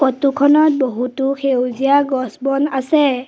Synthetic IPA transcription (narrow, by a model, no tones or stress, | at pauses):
kɔtukʰɔnɔt̚boɦutʊxʰewzijaɡɔsbɔnasɛ